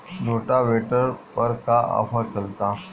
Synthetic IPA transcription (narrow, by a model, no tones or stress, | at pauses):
noʈaʋeʈəɾpəɾkaa̰fat͡səlt̪a